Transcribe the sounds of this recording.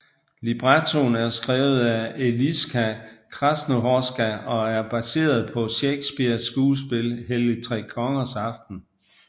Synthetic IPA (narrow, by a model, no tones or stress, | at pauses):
lib̥ʁɑt͡sʰo̝næɐsɡ̥ʁɛːʊð̩ˠæe̝lisɡ̥ʰækʰʁɑsno̝ɦɒsɡ̥æɒ̽æɐb̥æse̝̰ːɐð̞ˠpʰɒ̽ɕeɡ̥sb̥iɐsːɡ̥uːs̬b̥e̝lɦelit͡sʰʁɛ̰ːkʰɒ̽ŋɐsɑ̈fd̥n̩